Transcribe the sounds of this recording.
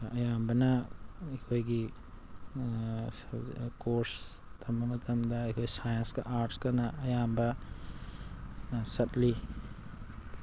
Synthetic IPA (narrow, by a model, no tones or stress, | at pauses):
ɐjambɐnɐɐkʰojɡi | kʰoɾs | tʰɐmbɐmɐtʰɐmdɐːjkʰojsajɐnskɐ̰ʔaɾtskɐnɐɐjambɐ | sɐtli